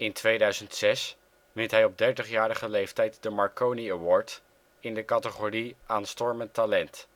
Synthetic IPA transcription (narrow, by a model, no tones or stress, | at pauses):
ɪntʋejdœɥzəntsɛs | mɪntɦɛjɔb̚dɛɹtəχjaːɾəχəlejftɛjt̚dəmɑɹkowniəwɔːɹt | ɪndəkɑtəχoriʔaːnstɔɹməntalɛnt